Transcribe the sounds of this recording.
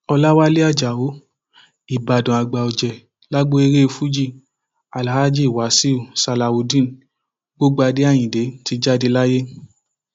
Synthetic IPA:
ɔ˧la˦wa˦le˦a˦˨d͡ʒa˨wo˨˦ | i˨ba˨dã˨a˨ɡ͡ba˨o˨d͡ʒɛ˨ | la˦ɡ͡bo˦e˧ɾe˦e˧fu˦d͡ʒi˦˨ | a˨la˨ha˦d͡ʒi˦i˨wa˨˦si˦u˦˨sa˧la˨wo˨dĩ˦n˨ | ɡ͡bo˦ɡ͡ba˧de˨˦a˦˨j̃ĩ˨de˨˦ti˧˦d͡ʒa˦de˧la˦je˦

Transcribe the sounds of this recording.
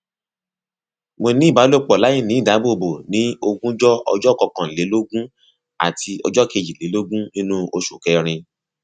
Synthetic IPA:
mo˧nĩ˦˨ba˨˦lo˦k͡pɔ˨la˨˦jĩ˦˨nĩ˨˦˨da˨˦bo˦˨bo˨nĩ˨˦o˧ɡũ˦d͡ʒɔ˦ɔ̰˧d͡ʒɔ˦˨kɔ˧kã˨le˨˦lo˦ɡũ˦ | a̰˨tʰi˧ɔ̰˧d͡ʒɔ˦˨ke˧˨d͡ʒi˨le˨˦lo˦ɡũ˦nĩ˦nũ˦o˧ʃo˨kɛ˧˦ɾ̃ĩ˧

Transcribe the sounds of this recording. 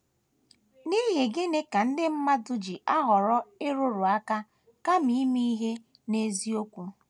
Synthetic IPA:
niː˦ɦe˨ɡɪ˦ne˦ka˨n̩˦dɪ˦m̩˦ma˦dʊ˦d͡ʒi˨ʔa˦ɦɔ˨ɾɔ˦ɪ˦ɾʊ˦ɾʊ˨a˦ka˦ | ka˦m̩i˦mi˦i˦ɦe˦ | ne˦zi˦o˦kʷu˦

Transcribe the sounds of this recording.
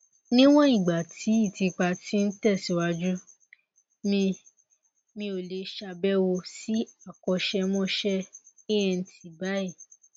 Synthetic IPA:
nĩ˦w̃ɔ̃˦i˦˨ɡ͡ba˨tʰi˨˦i˦˨ti˧k͡pa˧ti˦n̩˦tɛ˦˨si˨˦wa˧d͡ʒu˦ | mĩ˧ | mĩ˧o˨le˨˧ʃa˧bɛ˦wo˧si˦a˦˨kɔ˧ʃɛ˧mɔ̃˦ʃɛ˦i˦ɛ̃˧n̩˧˦tʰi˨ba˦i˦˨

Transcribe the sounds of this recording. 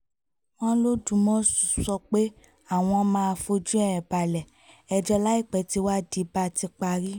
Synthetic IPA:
w̃ɔ̃˦lo˦dũ˨˦mɔ̃˦su˨sɔ˧k͡pe˦ | a˦˨w̃ɔ̃˧mãː˦a˧fo˧d͡ʒu˦ɛ˦˨ɛ˨ba˨lɛ˨ | ɛ˧˨d͡ʒɔ˧la˦i˦˨k͡pɛ˨˦ti˧˦wa˦di˨˦ba˧ti˧k͡pa˧ɾi˦

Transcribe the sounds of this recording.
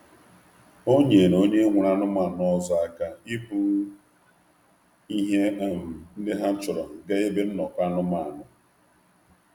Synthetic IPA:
o˦ɲe˨ɾo˦ɲe˦ŋʷu˨ɾa˦nʊ˦ma˨nɔ˦zɔ˨a˦ka˦i˦pu˦ | i˦ɦe˦a˦m̩˨n̩˦dɪ˦ɦa˦t͡ʃʊ˨ɾɔ˨ɡe˦e˦be˦n̩˦nɔ˨ka˦nʊ˦ma˦˨a˨nʊ˨

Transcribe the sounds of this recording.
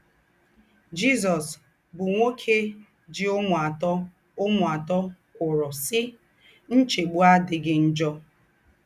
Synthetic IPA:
d͡ʒi˦zɔ˨s | bʊ˨ŋʷo˦kʰe˦ | d͡ʒɪ˦ʊ˦ŋʷ˨a˨tɔ˦ | ʊ˦mʊ˨a˨tɔ˦ | kʷʊ˨ɾɔ˨sɪ˦ | n̩˦t͡ʃe˨ɡ͡bu˦a˦dɪ˨ɡɪ˦n̩˦d͡ʒɔ˦

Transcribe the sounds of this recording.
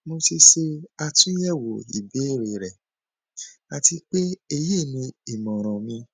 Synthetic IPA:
mo˧ti˧ʃe˧a˧tũ˦jɛ˦˨wo˨ḭ˨be˨˦˨ɾe˨ɾɛ˨ | a˨ti˧k͡pe˦e˧je˦˨nĩ˧i˨mɔ̃˨ɾ̃ɔ̃˨mĩ˧

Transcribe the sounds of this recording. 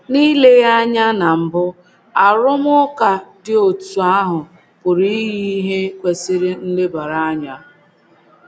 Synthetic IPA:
ni˦le˦ja˦ɲa˦na˨m̩˨bʊ˦ | a˨ɾʊ˦m˦ʊ˦ka˨dɪ˦o˨tu˨a˦ɦʊ˨ | pʊ˨ɾi˦ɦi˦ɦe˦kʷe˨sɪ˦ɾɪ˦n̩˦le˦ba˨ɾa˦a˦ɲa˦

